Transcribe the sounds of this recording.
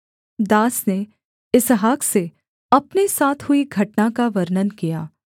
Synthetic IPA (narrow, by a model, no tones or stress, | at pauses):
d̪aːsne | ɪsɦaːkse | ɐpnesaːt̪ʰɦʊiɡʱɐʈnakaʋɐɾnənkijaː